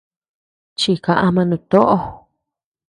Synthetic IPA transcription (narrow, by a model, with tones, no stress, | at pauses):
t͡ʃi˧kã˧ʔa˧mã˧nũ˧t̪o˦ʔo˧